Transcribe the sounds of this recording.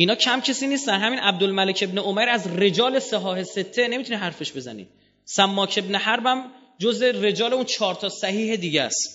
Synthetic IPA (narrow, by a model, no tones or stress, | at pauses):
ʔinɒːcʰæmcʰesiːniːst̪ænɦæmiːnʔæb̚d̪olmælecʰe̞bneomæjɾæzre̞d͡ʒɒːle̞seɦɒːhe̞se̞t̪ʰːe̞ne̞mit̪ʰunihæɾfe̞ʃbe̞zæ̰nḭːd̪̚ | sæmːɒːcʰe̞bnehæɾbæm | d͡ʒoze̞re̞d͡ʒɒːle̞unt͡ʃʰɒːɾt̪ʰɒːsæhiːhe̞d̪iːɟæ̰st̪